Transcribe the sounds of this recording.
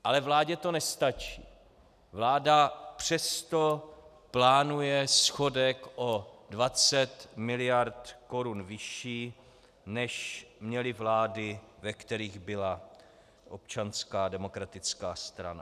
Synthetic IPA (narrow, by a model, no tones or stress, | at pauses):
ʔalɛvlaːɟɛt̪o̞nɛst̪at͡ʃiː | vlaːdapr̝̥ɛst̪o̞ | plaːnujɛsxo̞dɛkʔodvat͡sɛt̪mɪlɪjaɾt̪ko̞ɾunvɪʃiː | nɛʃmɲɛlɪvlaːdɪvɛkt̪ɛɾiːɣbɪla | ʔop̚t͡ʃanskaːdɛmo̞kɾat̪ɪt͡skaːst̪ɾa̰na̰